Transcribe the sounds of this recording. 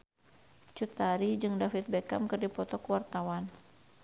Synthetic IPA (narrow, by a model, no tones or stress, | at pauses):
t͡ʃut̪aɾid͡ʒɨŋdafit̪̚bɛkamkɨrdipɔt̪ɔkwart̪awan